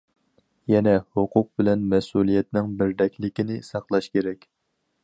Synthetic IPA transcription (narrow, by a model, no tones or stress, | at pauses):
jɛnɛhʊqʰʊq̚bɪlɛnmɛsulˠijɛt̪nɪŋbɪɾd̪ɛkʲlɪkʲinɪsɑqlˠɑʃkʲʰeɾɛkʲ